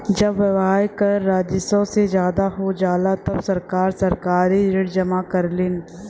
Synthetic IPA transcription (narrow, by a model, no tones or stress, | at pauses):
d͡ʒɐbʋɐʋɦaːjkɐɾːaːd͡ʒɪsõsed͡ʒjaːd̪aɦod͡ʒaːlat̪ɐbsɐɾkaːɾsɐɾkaːɾiɾɪɽd͡ʒɐmakɐɾlɪn